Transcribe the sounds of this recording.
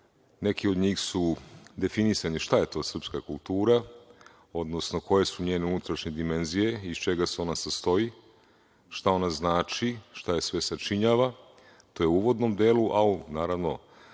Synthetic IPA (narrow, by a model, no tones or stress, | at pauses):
ne̞kiod̪ɲiːxsud̪e̞finisaɲiʃt̪aje̞t̪o̞ːsr̩pskakulˠt̪uːɾa | o̞d̪no̞sno̞ko̞je̞suɲe̞ːneunut̪ɾaʃɲed̪ime̞nzije̞ist͡ʃe̞ɡaseo̞nasast̪o̞i | ʃt̪ao̞naznaːt͡ʃiʃt̪ajesʋe̞sat͡ʃiɲaːʋa | t̪o̞je̞uʋo̞d̪nomd̪eːluʔainaːɾaʋno̞̰